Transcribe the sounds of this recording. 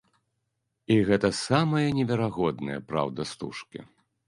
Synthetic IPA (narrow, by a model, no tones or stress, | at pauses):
iɣɛt̪ɐsamɐjɐnʲɛvʲɛɾaɣɔd̪nɐjɐ̰pɾa̰wd̪ɐst̪ṵʂkʲḭ